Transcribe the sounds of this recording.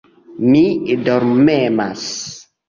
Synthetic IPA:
midɔɾmɛmas

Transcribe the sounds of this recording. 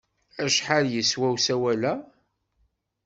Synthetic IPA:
æʃħaljəswæwsæwælæ

